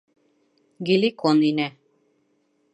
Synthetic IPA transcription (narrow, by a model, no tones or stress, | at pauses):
ɡilʲikoninæ